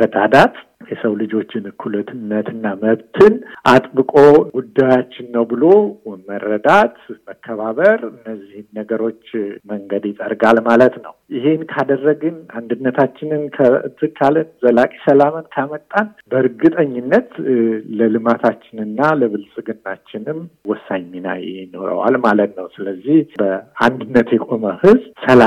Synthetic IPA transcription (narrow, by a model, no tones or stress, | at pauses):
b̥ət̪ʼad̪at̪ | jɛsəwlɨd͡ʒo̞t͡ʃːɪnɨkʰulət̪ʰɨnːət̪ʰɨnːaməβt̪ʰɨnʔat̪ʼbɨkʼoɡud̪ːajat͡ʃːɪnːəwbɨlo̞mərːəd̪at̪məkʰːəβaβəɾɨnːəzːihnːəɡəɾo̞t͡ʃːməŋɡəd̪jɪt̪ʼəɾɡalmalət̪nə̰wjɪɦe̞nkʰad̪ərːəɡɨnand̪ɨnːət̪ʰat͡ʃːɪnɨnkʰə̰t̪ʰɨkʰːalɨnzəlakʼi̥səlamənkʰamət̪ʼːanbəɾɡɨt̪ʼəɲːɪnːət̪ləlɨmat̪ʰat͡ʃːɪnɨnːaləβɨlsʼɨɡɨnːat͡ʃːɪnɨmwɔsːaɲmina̰jɪ̰hno̞̰ɾə̰wa̰lmalət̪nəwsɨləzːihbəand̪ɨnːət̪jɛkʼo̞məhɨzsəla